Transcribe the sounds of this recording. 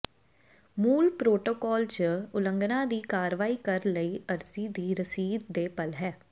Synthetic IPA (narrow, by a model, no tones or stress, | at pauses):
muːlpɾoːʈoːkɔːlt͡ʃəʊlə̃ŋɡnãːd̪iːkaːɾʋaːiːkəɾləiːəɾsiːd̪iːɾəsiːd̪̚ːeːpəlɦɛː